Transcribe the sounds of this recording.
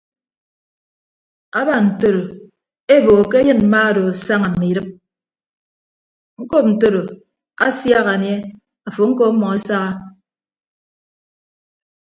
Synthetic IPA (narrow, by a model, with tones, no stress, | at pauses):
a˦ba˨n̩˨to˦ɾo˨ | e˦bo˨ke˦jɨ˦˨nm̩˦ma˦˨do˨sa˦ŋa˨m̩˨mi˨ɾɨ˦p̚ | ŋ̩˦ko˦p̚n̩˨to˦ɾo˨ | a˦sja˦ɣa˨ɲe˦ | a˨fo˨ŋ̩˦ko˦mɔ˨ŋe˦sa˦ɣa˦